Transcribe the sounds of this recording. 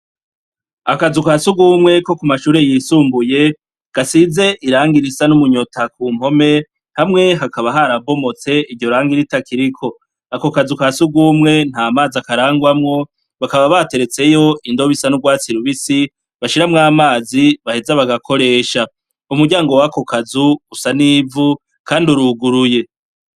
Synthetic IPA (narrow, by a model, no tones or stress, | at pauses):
akazukasuɡumŋe̞ko̞kumaʃuːɾe̞jiːsuːmbuje̞ | ɡ̥asize̞ʔiɾaːŋɡiɾisanumuɲo̞tʰakuːm̥ho̞me̞ | hamŋe̞ɦakaβaɦaɾabo̞mo̞t͡se̞ivɟjo̞ɾaːŋɡiɾitakʰiɾikʰo̞ | akokazukasuɡumŋe̞n̥haːmaːziakaɾaːŋɡwamŋo̞ | βakaβaβate̞ɾe̞t͡se̞jo̞ʔindo̞βisanuɡwaːt͡siɾuβisi | βaʃiɾamŋaːmaːziβahezaβaɡakʰo̞ɾe̞ːʃa | umuɾɟaːŋɡo̞wako̞kazuusaniːvu | kaːnduɾuɡuɾuje̞